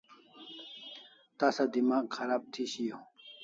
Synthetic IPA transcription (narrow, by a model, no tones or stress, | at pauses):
t̪aːsad̪imaːɡxɐɾaːb̚t̪ʰiɕijo